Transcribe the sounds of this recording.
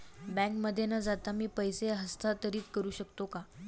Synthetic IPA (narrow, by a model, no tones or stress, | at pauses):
bɛ̃ŋkməd̪ʱːjenad͡zat̪amiːpəjseaɦəst̪ʰat̪əɾiːt͡skəɾuːɕəkt̪oka